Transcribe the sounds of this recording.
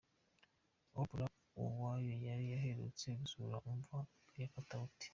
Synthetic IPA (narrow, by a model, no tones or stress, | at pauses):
obuɾa | o̰waːjo̞jaɾijaɦeɾṵt͡se̞ɡusuɾaʔuɱva | jafatauti̥